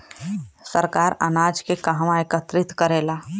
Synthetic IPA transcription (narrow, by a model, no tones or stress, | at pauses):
səɾkaːɾə̰naːd͡ʒkekaɦmãekət̪ɾɪt̪kəɾeːlaː